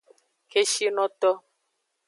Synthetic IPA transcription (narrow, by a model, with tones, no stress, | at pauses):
ke˦ʃi˦nɔ̃˦t̪ɔ˦